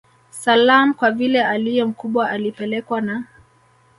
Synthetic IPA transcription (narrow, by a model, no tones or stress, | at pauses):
salam̩kwavilɛalijɛm̩kuɓwaʔalipɛlɛkwana